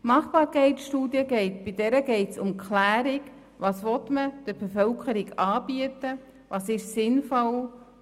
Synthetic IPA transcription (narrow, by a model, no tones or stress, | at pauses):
mɑχbɑːɾkʰɛɪtsʃtuːdiəɡɛɪtb̥idɛɾəɡɛɪtsʊmkʰχlæːɾɪɡ | vɑːsʋɔtməd̥əɾbefœlkʰəɾɪɡɑːb̥iətə | vɑːsɪʃsɪnfɔl